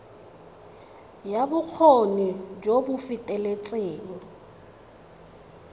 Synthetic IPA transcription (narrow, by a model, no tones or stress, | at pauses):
jabʊk͡xʰonid͡ʒobʊfɪtʼɛlet͡sʼeːŋ̩